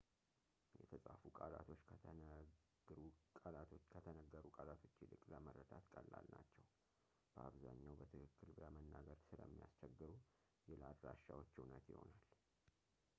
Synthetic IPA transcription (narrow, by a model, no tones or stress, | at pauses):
jɛt̪ʰəsʼafukʼalat̪ʰo̞t͡ʃːkʰə | ɾukʼəlat̪ʰokʰət̪ʰənəɡːəɾukʼalat̪ʰo̞t͡ʃːɪlɨkʼləmərːəd̪at̪kʼəlːalnat͡ʃːɛw | b̥əaβzaɲːawbət̪ʰɨkʰɨkːɨlbɨləmənːaɡəɾsɨlə̰mːija̰st͡ʃɛɡːɨɾu | jɛlad̪ɾaʃːawo̞t͡ʃːiwnət̪jɪho̞̰nal